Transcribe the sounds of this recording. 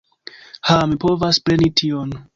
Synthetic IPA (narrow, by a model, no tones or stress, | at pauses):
hamipo̞vaspɾe̞nitʰion